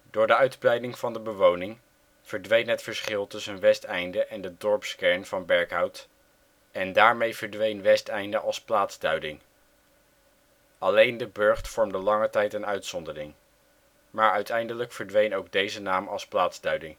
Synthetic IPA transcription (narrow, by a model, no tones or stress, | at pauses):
d̥ʊːɹdəœɥdbrɛjdɪŋv̥ɑndəbəʋownɪŋ | v̥əɹdʋejnɦətfəɹsχɪlˠtɵsənʋɛstɛjndəʔɛndədɔɹpskɛɹnv̥ɑnbɛɹkɦɑwt | ɛndaːɹmejvəɹdʋejnʋɛstɛjndəʔɑlˠsplaːdz̥dœɥdɪŋ | ɑlejndəbɵɹχtfɔɹmdəlɑŋətɛjtənœɥtsɔndərɪŋ | maːɹœɥtʰɛjndələkfəɹdʋejnowɡ̚dejzənaːmɑlˠsplaːdz̥dœɥdɪŋ